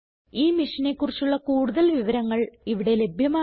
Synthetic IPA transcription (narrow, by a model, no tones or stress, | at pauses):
iːmiʂɐne̞kːurit͡ɕːuɭːɐkuːɽuðɐlʋiʋɐɾɐŋːɐɭiʋiɽe̞le̞bʱjɐmaː